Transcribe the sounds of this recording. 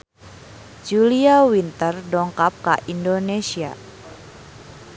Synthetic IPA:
d͡ʒuliawint̪ərɖɔŋkap̚kaʔindonesia̰

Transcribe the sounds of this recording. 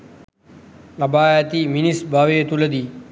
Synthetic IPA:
lɐbaːjt̪iːminisbaːʋeːt̪uləd̪iː

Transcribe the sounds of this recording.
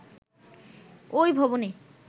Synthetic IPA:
ojbʱɔbone

